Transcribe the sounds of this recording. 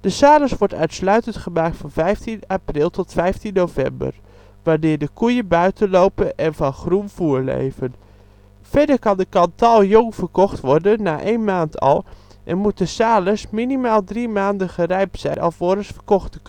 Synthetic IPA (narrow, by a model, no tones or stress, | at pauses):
d̥əsaːləsʋɔɹtœɥtslœɥtəntχəmaːk̚tfɑnvɛjftinaprɪlˠtɔtfɛjftinnowvɛ̰mbə̰r | ʋaːɹdɪːɹdəkujəbœɥtənlowpənʔɛnvɑnχrunv̥uːɹlḛjvən | fɛdəɹkɑndəkɑntɑlˠjɔŋvərkɔχtʋɔɹdənːaːʔejnmaːntʰɑ̰lˠ | ʔɛ̰nmut̚dəsaːləsminimaːlˠdrimaːndəχərɛjp̚sɛ̰jnʔɑ̰lˠoːɾəsfərkɔχtək